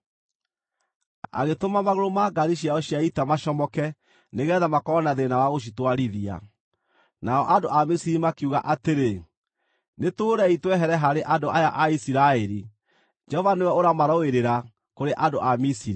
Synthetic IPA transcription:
a̰ɣetomamaɣoɾomaɡaðiɕiaɔɕiaitamaʃɔmɔkɛ | neɣɛðamakɔɔnaðenawaɣoʃ̬itwaɾiðia̰ | naɔʔandoʔamisiɾimakuɣa̰ʔateɾe | netoːɾɛitwɛɦɛɾɛɦaɾeʔadoʔajaʔaisiɾaɛɾi | d͡ʒɛhɔvanewɛoɾamaɾɔeɾeɾa | koɾeʔandoʔamisiɾi

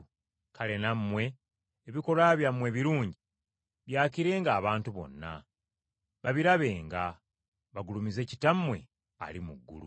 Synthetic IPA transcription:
kale̞namːwe̞ː | βiko̞laβjamːwe̞ːβiɾuːɲɟi | βjaːciɾe̞ːŋɡaːβaːntuβo̞̰nːa̰ | βaβiɾaβe̞ːŋɡa | βaɡulumize̞ːci̥tamːwe̞̰ | a̰limuɡːṵlṵ

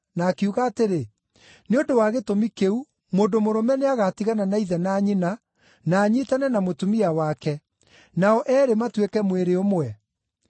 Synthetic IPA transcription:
naːkeuɣaːteɾe | neondowaɣetomikeu | moːndomoɾɔmɛneaɣatiɣananaiðɛnaːɲina | naːɲiːtanɛnamotumiawakɛ | naɔʔɛːɾematwekɛmweɾeomwɛ

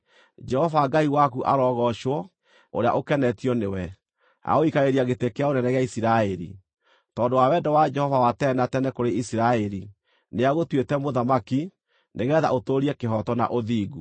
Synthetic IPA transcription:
d͡ʒɛhɔvaɡaiwakuʔa̰ɾɔɣɔʃwɔ | o̰ɾea̰ʔokɛnɛtiɔnewɛ | a̰oikaɾeɾiaɣetekeaonɛnɛɣeaisiɾaɛɾḭ | tɔndowawɛdɔwad͡ʒɛhɔvawatɛnatɛnɛkoɾeisiɾaeɾi | neaɣotwetɛmoðamaki | neɣɛða̰ʔotoɾiɛkeɦɔtɔna̰ʔoðiːɣu

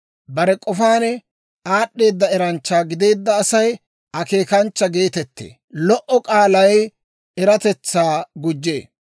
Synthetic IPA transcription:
bɐɾɛkʼɔfaːnɛ | aːɗːe̞ːd̪ːɐɛɾɐnt͡ʃːaːɡɪd̪e̞ːd̪ːɐːsɐj | ɐke̞ːkɐnt͡ʃːɐɡe̞ːt̪ɛt̪ːḛː | lɔʔɔkʼaːlɐj | ɛɾɐt̪ɛt͡sːaːɡʊd͡ʒːe̞̰ː

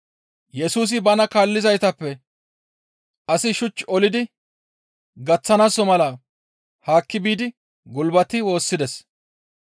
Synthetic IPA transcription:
jɛsuːs̬ɪbɐnɐkaːlːɪzɐjt̪ɐpːɛ | ɐsɪʃʊt͡ʃːɔlɪd̪ɪ | ɡɐt͡sːɐnasɔmɐlɐ | haːkːɪbiːd̪ɪ | ɡʊlbɐt̪ɪwo̞ːsːɪd̪ɛs

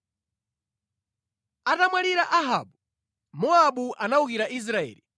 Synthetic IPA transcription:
atamwaliɾaʔaɦa̰ɓu | mɔaɓuʔanaukiɾaʔis̬ɾaɛ̰ːli

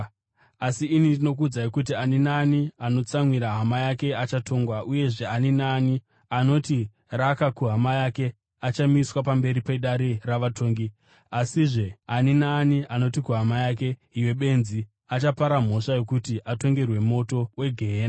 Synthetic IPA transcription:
asiːnindino̞k̬ud͡zaikut̬ianinaːniano̞t͡samwiɾaɦamajake̞at͡ʃatʰo̞ŋɡwaʔuje̞ʐe̞aninaːni | ano̞ti | rakakuɦamajake̞ | at͡ʃamiswapambe̞ɾipeɗaɾiraʋatʰo̞ːŋɡi | asiʐe̞aninaːniʔano̞tikuɦamajak̬e̞iwe̞ɓe̞nzi | at͡ʃapaɾam̤o̞ʂajo̞kutiʔato̞ŋɡe̞rwe̞mo̞to̞we̞ɡʱe̞ɦeːna

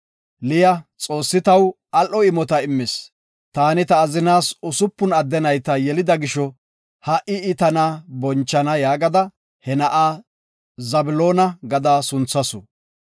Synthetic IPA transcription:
lɪjɐt͡sʼo̞ːsːɪt̪ɐw | ɐlʔɔɪmɔt̪ɐɪmːɪs | t̪aːnɪt̪ɐːzɪnaːsʊsʊpːʊnɐd̪ːɛnɐjt̪ɐjɛlɪd̪ɐɡɪʃɔ | hɐʔɪɪt̪ɐnɐbɔnt͡ʃːɐnɐjaːɡɐd̪ɐ | hɛnɐʔaː | zɐbɪloːnɐɡɐd̪aːsʊnt͡sːɐsɔ

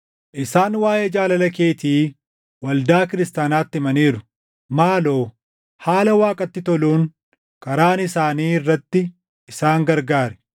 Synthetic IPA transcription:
ʔɪsaːnwaːjeːd͡ʒaːlɐlɐke̞ːt̪iː | wɐld̪aːkɪɾɪst̪aːnaːt̪ːɪɪmɐniːɾʊ | maːlo̞ː | haːlɐwaːkʼɐt̪ːɪt̪ɔluːn | kɐɾaːnɪsaːniːɪrːɐt̪ːɪ | ɪsaːŋɡɐɾɡaːɾɛ̥

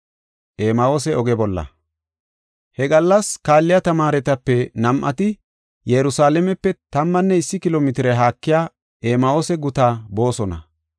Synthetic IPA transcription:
ʔeːmɐoːsɛɔɡɛbɔlːɐ̰ | hɛɡɐlːɐskaːlːɪjɐt̪ɐmaːɾɛt̪ɐpːɛnɐmʔɐ̰t̪ɪ | jɛɾʊsaːlɛmɛpːɛt̪ɐmːɐnːɛɪsːɪkɪloːmɪt̪ɪɾɛɦaːkːɪjaː | ʔeːmɐo̞ːsɛɡʊt̪aːbo̞ːsɔnɐ̰

